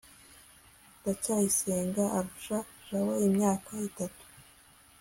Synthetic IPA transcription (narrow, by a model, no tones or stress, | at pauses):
dacajiseːŋɡaʔːɾuʃaʒ̥awoimɲaːkaitatu̥